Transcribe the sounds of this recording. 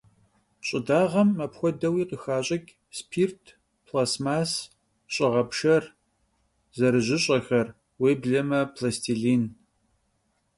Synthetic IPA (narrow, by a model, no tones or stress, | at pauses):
ɕʼɪdaːʁɐmːɐpxʷɔdɐwiːqəxaːɕʼɐkʲʼ | spʰiːrtʰ | pʰlaːsmaːs | ɕʼɪʁɐpʂɐr | zɐɾɨʑɪɕʼɐxɐr | weːbɮɐmɐpʰlɐstʰiɮiːn